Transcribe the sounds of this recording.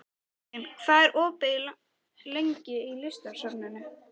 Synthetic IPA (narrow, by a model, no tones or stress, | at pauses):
ɛnkʰvaːðɛɾʔɔːpɪla | leɲcɪilɪst̪aɾ̥sœpnɪnːɪ